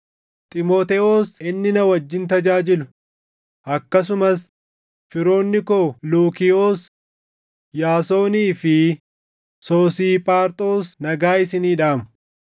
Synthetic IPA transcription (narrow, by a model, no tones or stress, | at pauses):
t̪ʼɪmoːt̪ɛoːsɪnːɪnɐwɐd͡ʒːɪnt̪ɐd͡ʒaːd͡ʒɪlʊ | ʔɐkːɐs̬ʊmɐs | fɪɾo̞ːnːɪkoːluːkɪoːs | jaːso̞ːniːfɪ | soːsiːpʼaːɾt̪ʼo̞ːsnɐɡaːɪsɪniːᶑaːmʊ